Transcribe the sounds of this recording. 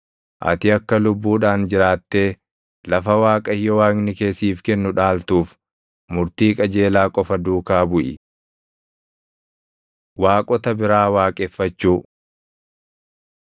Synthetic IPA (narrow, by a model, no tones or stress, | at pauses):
ʔɐ̰t̪ɪɐkːɐlʊbːuːᶑaːnd͡ʒɪɾaːt̪ːe̞ː | lɐfɐwaːkʼɐɪjːɔwaːknɪke̞ːsiːfkɛnːʊᶑaːlt̪uːf | mʊɾt̪iːkʼɐd͡ʒe̞ːlaːkʼɔfɐd̪uːkaːbʊʔɪ̰ | waːkʼɔt̪ɐbɪɾaːwaːkʼɛfːɐt͡ʃːuː